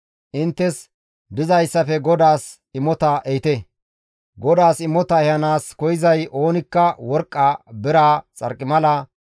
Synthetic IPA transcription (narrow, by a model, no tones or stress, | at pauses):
ʔɪnt̪ːɛs | d̪ɪzɐjsːɐfɛɡɔd̪aːs | ɪmːɔt̪ɐʔɛjɪt̪ɛ | ɡɔd̪aːsɪmːɔt̪ɐɛjɐnaːskɔjɪzɐjʔo̞ːnɪkːɐwɔɾkʼːaːbɪɾaːt͡sʼɐ̰ɾkʼːɪmɐlɐ